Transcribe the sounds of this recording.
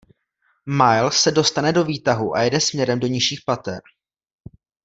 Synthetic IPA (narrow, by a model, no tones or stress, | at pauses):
majlsɛdo̞st̪anɛdo̞viːt̪aɦuʔajɛdɛsmɲɛɾɛmdo̞ɲɪʃiːxpat̪ɛ̰ɾ